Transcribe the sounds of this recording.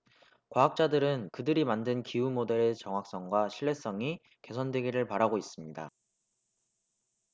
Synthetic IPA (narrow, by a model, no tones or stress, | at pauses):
kwaɦak̚t͡ɕ͈adɯɾɯnkɯdɯɾimandɯnkiumode̞ɾe̞t͡ɕʌŋɦak̚s͈ʌŋɡwaɕʰiɭːe̞s͈ʌŋi | ke̞sʰʌndwe̞ɡiɾɯɭpaɾaɡois͈ɯmɲida̰